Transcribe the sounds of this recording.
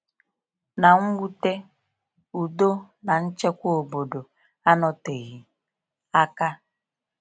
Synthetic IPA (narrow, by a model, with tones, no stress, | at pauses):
na˨ŋ̩˦wu˦te˦ | u˨do˦ | na˨n̩˦t͡ʃe˦kʷo˦o˨bo˨do˨ | a˦nɔ˦te˨ɣi˨ | a˦ka˦